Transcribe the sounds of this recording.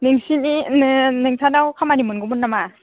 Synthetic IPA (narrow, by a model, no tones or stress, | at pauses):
nɯŋsininɯnɯŋsʰanawkʰamanimɯnɡɯmunːama